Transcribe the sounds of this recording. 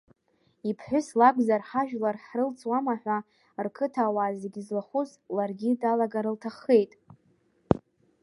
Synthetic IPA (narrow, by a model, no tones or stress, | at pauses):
ipʰħʷᶣʊslaɡʷʼzarħaʒᶣlarħrɨlt͡sʰʼwamaħᶣʷa | rkʰɨtʰawaːzeɡʲizlaχʊzlarɡʲidalaɡaɾɨltʰaχe̞jtʼ